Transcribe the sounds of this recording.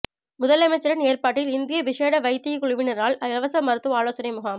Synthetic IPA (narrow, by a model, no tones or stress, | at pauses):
mʊðɐlɐmɐɪt͡ʃːɐɾɐneːrpaːʈːɪlɪnd̪ɪjɐʋɪʂeːɽɐʋɐɪt̪ːɪkːʊɻʊʋɪnɐraːɭɐɐʋɐsɐmɐɾɯt̪ːʋɯaːloːsɐnɐɪmʊɣaːm